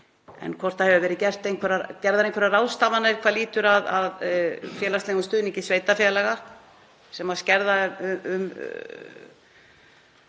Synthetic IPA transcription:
ɛ̰nkʰvɔr̥t̪ahɛvʏvɛːɾɪcɛr̥t̪ejnkʰɛɾacɛɾðaɾejŋkʰfvɛɾaraːwst̪avanaɾ̥kʰvaðliːt̪ʏɾaðaðfjɛːlast̪eɣʏnst̪ʏːðniɲcɪsveːjt̪afjɛlɛɣa | sɛmascɛɾðaʏʏm

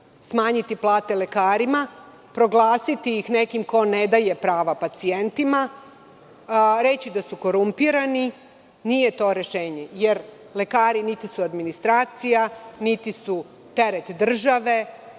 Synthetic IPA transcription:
smaːɲit̪iplˠaːt̪e̞le̞kaːɾima | pɾo̞ɡlˠaːsit̪iixnekimko̞ned̪aje̞pɾaːʋapat̪sient̪ima | ɾe̞t͡ɕid̪asuko̞ɾumpiɾani | nijet̪o̞ːɾe̞ʃeːɲejeɾ | le̞kaːɾinit̪isuad̪minist̪ɾaːt̪sijanit̪isu | t̪e̞ɾet̪d̪r̩ʒaʋe̞

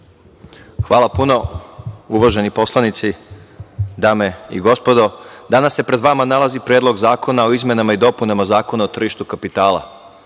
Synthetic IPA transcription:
xʋaːlˠapuno̞ | uʋaʒe̞nipo̞slˠanit̪si | d̪aːme̞ḭɡo̞spo̞d̪o̞d̪anasːe̞pɾed̪ʋamanalazipɾjeːd̪lo̞ɡzaːko̞nao̞izme̞namaid̪o̞punamazaːko̞naot̪r̩ʒiʃt̪ukapit̪aːlˠa̰

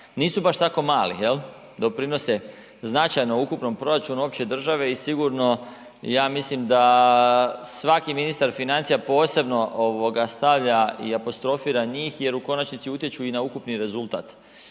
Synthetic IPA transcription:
niːsubaʃt̪ako̞maːlḭjel | d̪o̞pɾino̞se̞ | znat͡ʃajnoukupno̞mpɾo̞ɾat͡ʃunuo̞pt͡ɕe̞d̪r̩ʒaʋe̞isiɡuɾno̞ | jaːmislimd̪a | sʋakiminist̪aɾfinant̪sijapo̞ːse̞bno̞ʔoʋo̞ɡast̪aʋʎaiapo̞st̪ɾo̞fiːɾaɲiːxje̞ɾuko̞nat͡ʃnit̪siut̪je̞t͡ɕuinaukupniɾe̞zulˠt̪a̰ːt̪

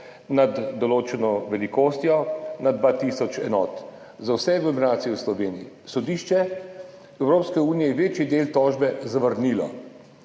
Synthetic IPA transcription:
nad̪ːɔloːt͡ʃɛnɔʋɛlikoːst̪jɔnad̪ʋaːt̪iːsɔt͡ʃɛ̰nɔːt̪ | zawsɛɡlɔminaːt̪sijɛwslɔʋeːnii | sɔd̪iːʃt͡ʃɛ | ɛwɾoːpskɛuːnijɛjɛʋeːt͡ʃjid̪eːlt̪ɔːʒbɛzaʋəɾniːlɔ̰

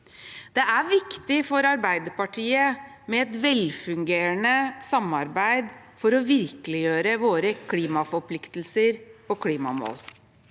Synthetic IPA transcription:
d̪̥ɛæʋɪkt̪ɪfɔɾɑɾbæɪd̪əɾpɑʈʰiːə | mɛɛt̪ʋɛlfʉŋɡeːɾənəsɑmːɑɾbæɪd̪ | fɔɾɔʋɪɾkəlɪjøːɾəʋoːɾəkʰliːmɑfɔɾpʰlɪkt̪l̩səɾpɔkʰliːmɑ̰mo̰ːl

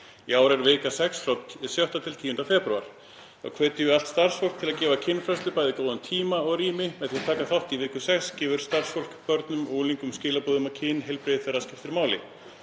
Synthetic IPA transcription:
iaːwɾɛɾvɪːkasɛksflɔt̪ɪsjœht̪at̪ʰɪlt̪ʰiːjʏnt̪afɛpɾua̰ɾ̥ | a̰ɣkʰvɛːt̪ɪjʏal̥t̪st̪ar̥sfowlkt̪ʰɪlaðcɛːvacʰɪnːfɾɛslʏpaːjðɪkoːwðʏmt̪ʰiːmaɔɣriːmɪmɛðθjɛt̪ʰaːkaθawht̪ivɪːkʏsɛkscɛːvʏɾ̥st̪ar̥sfowl̥kpœɾt̪nʏmuːliŋkʏmscɪːlapɔːðʏmawcʰɪnɦɛlpɾejðθɛrːascɪft̪ɪɾmaːwlɪ̰

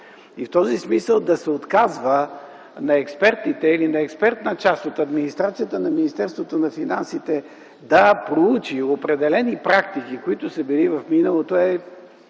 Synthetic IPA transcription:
ift̪ɔzismisəlˠd̪ɐsɛot̪kazvə | nɐɛkspɛɾt̪it̪ɛilinɐɛkspɛɾt̪nɐt͡ʃast̪ot̪ɐd̪minist̪ɾat̪sijət̪ənɐminist̪ɛɾst̪vot̪onɐfinansit̪ɛ | d̪ɐpɾout͡ʃiopɾɛd̪ɛlɛnipɾakt̪ik̟ikoit̪ʊsəbilivɐfminəlˠot̪oɛ

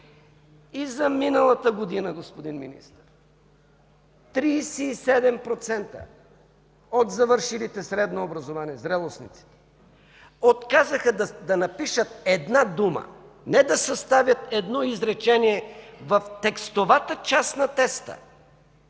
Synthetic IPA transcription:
izɐminəlˠɐt̪əɡod̪inəɡospod̪inmḭnḭst̪əɾ | t̪ɾiːsɛːsɛd̪ɛmpɾot̪sɛnt̪ə̰ | ot̪zɐvəɾʃilit̪ɛsɾɛd̪noːbɾɐzovaniɛzɾɛlˠosnḭt̪si̥t̪ɛ̥ | ot̪kazəxəd̪d̪ɐnɐpiʃət̪̚ɛd̪nad̪umə̰ | nɛd̪ɐsɐst̪avʲjɐt̪ɛd̪nɔizɾɛt͡ʃɛniɛvɐft̪ɛkst̪ovat̪ət͡ʃasnɐt̪ɛst̪ə̰

